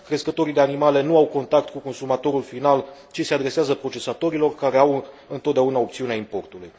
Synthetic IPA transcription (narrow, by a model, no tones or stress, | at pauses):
kɾe̞skət̪o̞ɾid̪e̞animale̞nuawko̞nt̪ak̚t̪kuko̞nsumat̪o̞ɾulfinalt͡ʃise̞ad̪ɾe̞seazəpɾo̞t͡ʃe̞sat̪o̞ɾilo̞rkaɾe̞aw | ɨnt̪ot̪d̪eaunao̞p̚t̪siuneaimpo̞rt̪uluj